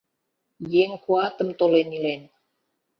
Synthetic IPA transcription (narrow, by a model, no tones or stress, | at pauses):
jɛŋkuat̪əmt̪olɛnilɛn